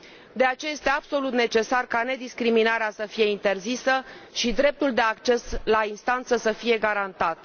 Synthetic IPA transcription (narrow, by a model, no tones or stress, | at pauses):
d̪e̞at͡ʃeaje̞st̪e̞abso̞lut̪ne̞t͡ʃe̞sarkane̞d̪iskɾiminaɾeasəfije̞int̪e̞rzisəʃid̪ɾe̞p̚t̪uld̪e̞akt͡ʃe̞slainst̪ant̪səsəfije̞ɡaɾant̪at̪